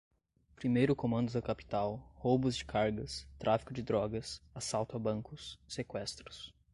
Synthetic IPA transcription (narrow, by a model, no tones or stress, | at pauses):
pɾimejɾʊkomɐ̃nd̪ʊd̪ɐkapi̥t̪awhowbʊzd͡ʒɪ̥kʰaɾɡɐst̪ɾʔafi̥kʊd͡ʒɪd̪ɾɔɡɐsasawt̪ʊabɐ̃ŋkʊsːekwɛst̪ɾʊ̥s